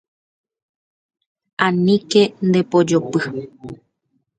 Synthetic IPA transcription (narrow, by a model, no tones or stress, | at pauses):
ãnĩke̞nd̪e̞pod͡ʒopɨ